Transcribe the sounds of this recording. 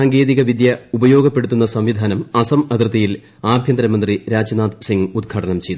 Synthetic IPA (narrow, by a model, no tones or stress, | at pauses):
aːŋɡe̞ːðiɣɐʋid̪jɐubɐjo̞ːɡɐpːeɽut̪ːunːɐsɐmʋid̪ʱaːnɐmɐsɐmɐd̪rɨt̪ːɐjil | aːbʱjɐnd̪ɐɾɐmɐnd̪riɾaːd͡ʑɐnaːt̪siŋɡud̪̚ɡʰʱaːʈɐnɐmt͡ɕejt̪